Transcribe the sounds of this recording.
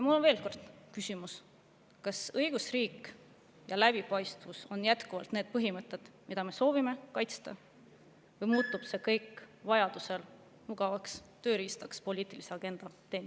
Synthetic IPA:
jɑmulːonve̞ːlko̞rd̪̥kysʲimus | kɑsɤjɡ̥usriːk | jɑlæb̥ipɑjst̪vusonjæt̪kuvɑ̰lt̪neːd̪̚pɤɦimɤt̪ːˑe̞d̪̥mid̪̥ɑme̞so̞ːvime̞kɑjt̪st̪ɑ | vɤjmuːt̪ˑːub̥se̞kɤjkːˑvɑjɑd̪̥use̞l | muɡ̥ɑvɑkst̪ø̞ːɾiːst̪ɑkspo̞lʲiːt̪ˑilise̞ɑɡ̥e̞nd̪̥ɑt̪e̞ːn

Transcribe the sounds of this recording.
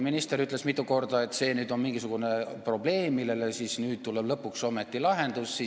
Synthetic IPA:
minist̪e̞ɾyt̪ˑle̞smit̪ːˑuko̞rd̪̥ɑe̞t̪ːse̞ːnyːd̪o̞nminŋɡisuɡ̥unepro̞b̥le̞ːmmːilelesisnyːd̪̚t̪uleb̥lɤpːukso̞me̞t̪ːˑilɑɦe̞nd̪̥usi

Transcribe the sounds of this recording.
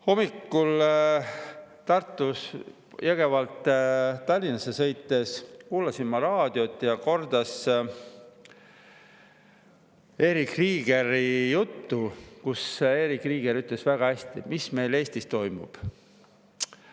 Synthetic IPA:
ho̞mːikːul | t̪ɑrt̪ˑːus | jæɡ̥e̞vɑlt̪ːt̪ːɑlʲːinɑsesɤ̞jt̪ːˑe̞skuːlɑsinmɑɾɑːd̪̥io̞t̪ːˑjɑko̞rd̪ɑs | e̞ːɾikriːɡ̥e̞ɾijut̪ːukuse̞ːɾikˑriːɡ̥e̞ɾyt̪le̞svæɡ̥ɑhæsʲt̪imisme̞jle̞ːsʲt̪ist̪o̞jmṵb̥

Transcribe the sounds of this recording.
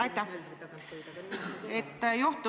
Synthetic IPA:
ɑjt̪ʲːæ | et̪ːjoht̪ːˑu

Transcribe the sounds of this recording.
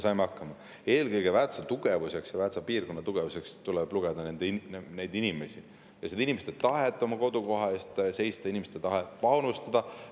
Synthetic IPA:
sɑjmeɑkːɑmɑ | e̞ːlkɯjɡ̥e̞væt̪sɑt̪uɡ̥e̞vuse̞ksjɑvæt̪sɑpiːrko̞nːɑt̪uɡ̥e̞vuse̞kst̪ulɛb̥luɡ̥ed̪̥ɑne̞nd̪̥ene̞jd̪inime̞sʲi | jɑsed̪inimeset̪et̪ɑɦet̪ːˑo̞mɑko̞d̪̥uko̞ɦɑe̞ːst̪se̞jst̪ɑinimest̪et̪ɑɦepɑwnust̪ɑd̪̥ɑ

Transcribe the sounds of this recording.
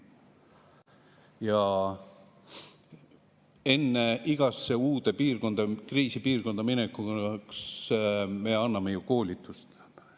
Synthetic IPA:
jɑ | e̞nːe̞iɡ̥ɑsːeuːd̪e̞piːrko̞nd̪̥ɑkriːsipiːrko̞nd̪ɑminekuks | me̞ɑnːɑmejuko̞ːlʲit̪ːˑust̪

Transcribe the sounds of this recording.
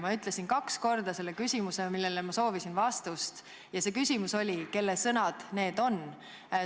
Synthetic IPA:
mɑyt̪ˑle̞sinkɑksko̞rd̪̥ɑse̞lːekysʲimusemilːelemɑso̞ːvisinvɑst̪ust̪ | jɑse̞kysʲimuso̞lʲike̞lːesɤnɑd̪̥ne̞ːd̪̥o̞n

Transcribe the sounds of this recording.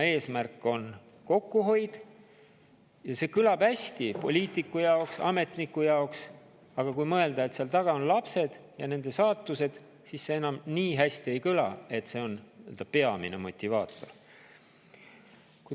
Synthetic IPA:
e̞ːsmærkːˑo̞n | ko̞kːuɦo̞jd̪̥ | jɑse̞kɯlɑb̥hæsʲt̪ipo̞lʲiːt̪ːˑikːujɑoksɑ̰me̞t̪nikːujɑoks | ɑɡ̥ɑkujmɤe̞ld̪ɑe̞t̪seɑlt̪ɑɡ̥ɑo̞nlɑpse̞d̪̥jɑne̞nd̪̥e̞sɑːt̪ːˑuse̞d̪̥ | sisːee̞nɑmniːɦæsʲt̪ie̞jkɯlɑ̰e̞t̪ːse̞o̞nḛld̪ɑpe̞ɑmḭne̞̰mo̞t̪ʲːˑivɑːt̪ˑo̞̰r | ku

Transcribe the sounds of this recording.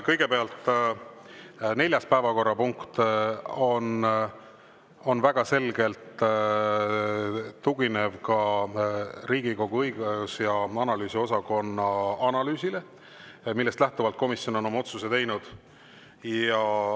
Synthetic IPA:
kɤjɡ̥e̞peɑlt̪ | ne̞lʲjɑspæevɑko̞rːɑpuŋkt̪o̞n | o̞nvæɡ̥ɑse̞lɡe̞lt̪ | uɡine̞vkɑ | ɾiːɡ̥iko̞ɡ̥uɤjɡuusjɑɑnɑlyːsio̞sɑko̞nːɑɑnɑlyːsile̞ | milːest̪læht̪uvɑlt̪̚ko̞misjo̞no̞no̞mɑo̞t̪suse̞t̪e̞jnud̪̥ | jɑ

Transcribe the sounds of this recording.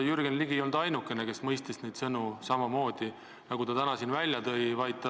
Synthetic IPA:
jyrɡ̥enliɡiolnd̪̥ɑjnukːe̞neke̞smɤjst̪isned̪̥sɤnusɑmɑmo̞ːd̪̥i | nɑɡ̥ut̪ɑt̪ænɑsiːnvælʲjɑt̪ɤjvɑjd̪t̪ːɑ

